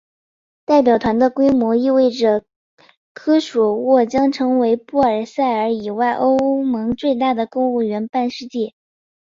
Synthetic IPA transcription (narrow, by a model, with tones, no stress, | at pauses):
t̪a˥˩ɪp̬jɑ˨˩ʊt̪ʰwa˧˥nd̪ə˧kwe˥ɪmwɔ˧˥i˥˧we˥˩ɪʈ͡ʂə˩ | kʰɤ˥ʂwɔ˨˩wɔ˥˩t͡ɕjɑ˥ŋʈ͡ʂʰɤ˧˥ŋwe˧˥ɪpu˥˩ə˞˨˩sa˥˩ɪə˞˧˥i˨˩wa˥˩ɪʔo˥ʊmɤ˧˥ŋt͡swe˥˧ɪt̪a˥˩d̪ə˩kʊ˥ŋu˥˩ɥɛ˧˥npa˥˧nʂɻ̩˥˧t͡ɕi˥˩